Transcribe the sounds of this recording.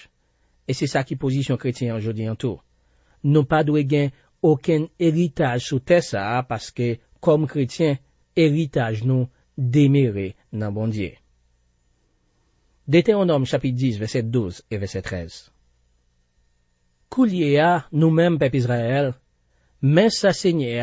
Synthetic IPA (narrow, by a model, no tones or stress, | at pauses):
esɛsakipozisjɔ̃kʁetjɛ̃ɑ̃ʒod͡ziɑ̃t̪u | nũpad̪weɡɛ̃ | okɛ̃neʁit̪aʒsut̪ɛsapaske | kɔmkʁetjɛ̃ | eʁit̪aʒnũ | d̪emeʁe | nɐ̃bɔ̃djḛ | d̪et̪ɛ̃ɔ̃nɔmʃapit̪̚disvɛsɛd̪uzevɛsɛt̪ʁɛz | kʰuljeanũmɛ̃mpɛpizʁaɛl | mɛ̃saseɲɛa